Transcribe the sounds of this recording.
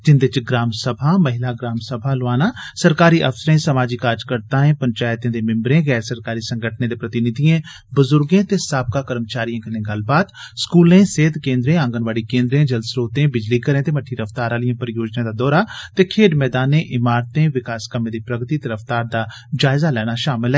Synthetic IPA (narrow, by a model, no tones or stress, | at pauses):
d͡ʒɪnd̪ɪt͡ʃɡɾaːmsəbʱaːmɐɦɪlaɡɾaːmsəbʱalʊʋaːnasəɾkaːɾiʔɐfsəɾẽːsɐmaːd͡ʒikaːɾd͡ʒkəɾt̪ãːẽːpə̃ɲt͡ʃaːjt̪ẽd̪emɪ̃mbɾẽːɣɛːɾsəɾkaːɾisə̃ŋɡʱəʈʰnẽd̪epɾət̪ɪnɪd̪ʱijẽ | bʊzʊɾɡẽt̪esaːb̚kakəɾmt͡ʃaːɾijãkəɾnẽɡɐlbaːd̪ | skuːlẽseːd̪kẽːnd̪ɾẽãːŋɡənʋaːɽikẽːnd̪ɾẽd͡ʒɐlsɾoːt̪ẽbɪd͡ʒlikəɾẽt̪emɐʈʰːiɾəft̪aːɾaːlijãpəɾjoːd͡ʒnẽd̪ad̪ɔːɾat̪ekʰeːɖmɛːd̪aːnẽʔɪmaːɾt̪ẽʋɪkaːskəmẽd̪ipɾɐɡt̪it̪eɾəft̪aːɾd̪a | d͡ʒaːɪzalɛːnaʃaːmɪlɦɛː